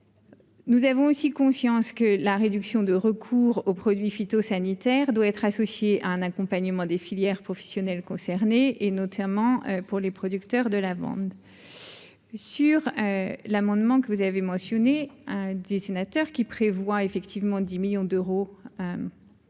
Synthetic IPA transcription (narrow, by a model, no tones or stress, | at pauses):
nuzavɔ̃osikɔ̃sjɑ̃skəlaʁed̪yksjɔ̃d̪əʁəkʰuʁopχɔd̪ɥifit̪osanit̪ɛʁd̪waɛt̪χasɔsjeʔa̰ɛ̃nakɔ̃paɲəmɑ̃d̪efiljɛʁpχɔfɛ̥sjɔnɛlkɔ̃sɛʁneʔenɔt̪ʰamɑ̃øpuʁlepχɔd̪ykt̪œʁd̪əlavɑ̰̃d̪ | syʁølamɑ̃d̪mɑ̃kəvuzavemɑ̃sjɔned̪esenat̪œʁkʲipχevwaefɛkt̪ʰivmɑ̃d̪imiljɔ̃d̪øʁo